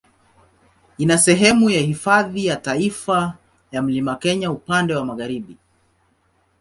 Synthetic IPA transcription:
inasɛɦɛmujahifaðijataifa | jam̩limakɛɲaupandɛwamaɣaɾiɓi

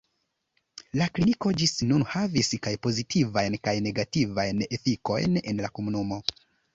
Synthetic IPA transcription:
lakliniko̞d͡ʒisnunhaviskajpo̞zitʰivajnkajne̞ɡativajne̞fiko̞̰jne̞nlakomunumo̞

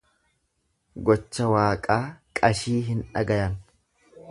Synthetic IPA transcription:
ɡɔt͡ʃːɐwaːkʼaːkʼɐʃiːɦɪnᶑɐ̰ɡɐjɐn

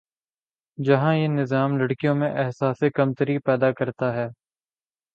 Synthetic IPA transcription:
d͡ʒɐɦãjenɪzaːmlɐɽkijõmẽʔɛɦsaːsekɐmt̪əɾipɛːd̪akɐɾt̪aɦɛː

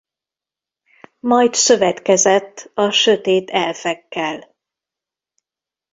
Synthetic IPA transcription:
mɒjt̪sø̞vɛt̪kɛzɛt̪ːɒʃø̞t̪eːt̪ɛlfɛkːɛl

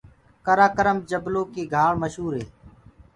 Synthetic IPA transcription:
kəɾaːkəɾəmd͡ʒəbloːkeːɡʱaːɽməʃɦuːɾɦeː

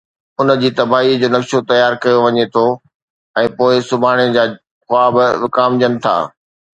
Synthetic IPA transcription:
ʊnə̆d͡ʑiːt̪ɐbaːɦid͡ʑoːnɐkʃot̪ɐjaːɾkɐjoʋɐɲet̪ʰo | ɛ̃ːpoːɪsʊbʱaːɽ̃ed͡ʑaː | xʊaːbɪʋɪkaːmd͡ʑɐnɪ̆t̪ʰa̰ː

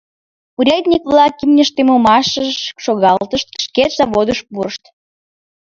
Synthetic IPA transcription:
uɾʲɑjt̪ʲnʲikβlɑkːimnʲeʃt̪emomɑʃəʃoɣɑllt̪əʃt̪̚ə̥ʃket̪zɑβod̪əʃpuɾəʃt̪

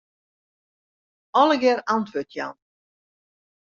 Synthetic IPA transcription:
ɔlˠəɡɛrantʰʋøtʰja̰n

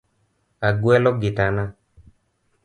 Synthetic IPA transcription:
aɡwɛlɔɡetanã

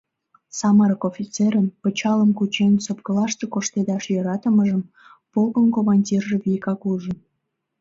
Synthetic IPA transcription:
sɑməɾəkofʲit͡seɾəmpət͡ɕɑləmkut͡ɕensop̚kəlɑʃt̪ekoʃt̪ed̪ɑʃjøɾɑt̪əməʒəm | polɣənkomɑnʲdʲirʒĕβikɑkuʒə̆

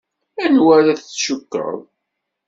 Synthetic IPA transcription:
ænwæɾæθt͡sːʃəkːə̰ðˤ

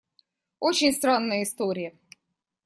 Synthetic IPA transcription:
ot͡ɕɪnʲst̪ɾanːəjəɪst̪oɾʲɪjə

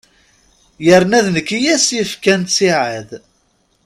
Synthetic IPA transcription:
jəɾnæðnəkːijæsjəfkænt͡siʕəð

